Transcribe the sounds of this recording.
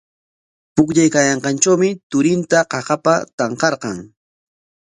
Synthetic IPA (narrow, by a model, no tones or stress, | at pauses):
pʊkʎajkajɑɴqɑnt͡ʃawmɪt̪ʊɾɪnt̪aqɑqɑpat̪ɑɴqɑɾqɑŋ